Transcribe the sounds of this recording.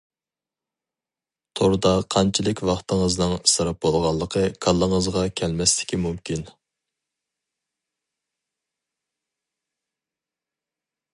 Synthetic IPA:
t̪ʰoɾd̪ɑqʰɑnt͡ʃʰilɪkʲwɑχt̪ʰəŋəznɨŋsɨɾɑp̚bolˠʁɑlˠːəqʰəkʰɑlˠːəŋəzʁɑkʲʰɛlmɛst̪ɪ̥kʲimumkʲʰin

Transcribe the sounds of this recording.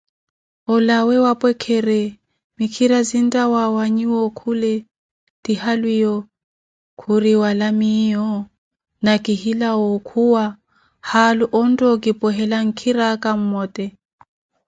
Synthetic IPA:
ɔlawɛwapʼwɛkʰɛɾɛ | mikʰiɾazin̩tʼawawaɲiwɔkʰulɛ | d̥ihalwijɔ | kʰuɾiwalamijɔ | nakʼihilaɔkʰuwa | haluʔɔn̩tʼɔkʼipʼɔɦɛlaŋ̩kʰiɾakʼam̩mɔːtʼɛ

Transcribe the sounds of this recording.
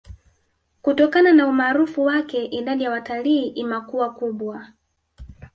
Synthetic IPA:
kutɔkananaumaːɾufuwakɛʔiɗaɗijawataliːʔimakuakuɓwa

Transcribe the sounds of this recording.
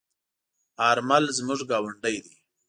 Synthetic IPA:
aɾmalzmʊʐɡɑːwaɳɖəjd̪i

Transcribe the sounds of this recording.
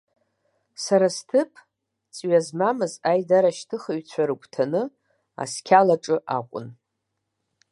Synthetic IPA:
saɾastʰɨpʰʼ | t͡sʼɥazmamɨzajdaɾaʃtʰɨχaɥt͡ɕʷʰaɾɨkʷʰʼtʰanɨ | a̰skʲʰalaʈ͡ʂʼɨʔa̰kʷʼʊ̰n

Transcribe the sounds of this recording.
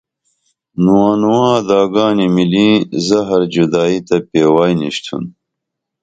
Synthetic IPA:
nuwaːnuwãːd̪aːɡaːnimilĩːzɐɦɐɾd͡ʑud̪aːit̪ɐpeːwaːjnḭɕt̪ʰṵn

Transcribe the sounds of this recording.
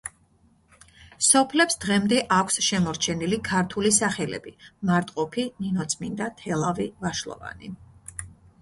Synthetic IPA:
sɔpʰlɛpsd̪̥ʁɛmd̪ɛʔakʷʰsʃɛmɔɾt͡ʃʰɛnilikʰaɾt̪ʰulisaχɛlɛ̰bimaɾt̪ʼqʼɔpʰininɔt̪sʰmind̪at̪ʰɛlˠavivaʃlˠɔ̰va̰ni

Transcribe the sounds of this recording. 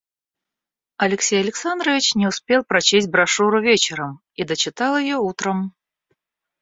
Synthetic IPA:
ɐlʲɪksʲejɐlʲɪksand̪ɾəvʲɪt͡ɕnʲɪʊspʲelˠpɾɐt͡ɕesʲt̚ʲbɾɐʂuɾʊvʲet͡ɕɪɾəm | id̪ət͡ɕɪt̪alˠjɪjout̪ɾəm

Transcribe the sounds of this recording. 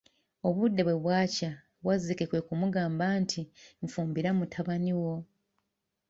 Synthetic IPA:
o̞βudːe̞βwe̞βwaːca | βwazike̞kwe̞kumuɡaːmbaːntʰiɱfuːmbiɾamutʰaβaniwo̞

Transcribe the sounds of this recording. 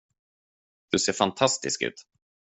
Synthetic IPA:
d̪̥ɵseːɾfant̪ʰast̪ɪ̰skʉ̟̰ːt̪

